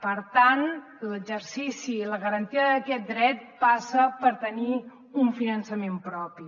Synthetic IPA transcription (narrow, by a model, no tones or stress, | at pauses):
pəɾt̪an | ləɡd͡ʒəɾsisiləɣəɾənt̪iəðəkɛt̪̚d̪ɾɛt̪̚pasəpəɾt̪əni | uɱfinənsəmempɾɔpi